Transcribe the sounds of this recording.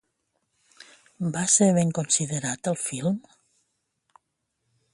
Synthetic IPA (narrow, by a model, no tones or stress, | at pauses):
baseɾβeŋkonsiðəɾat̪əlˠfilˠm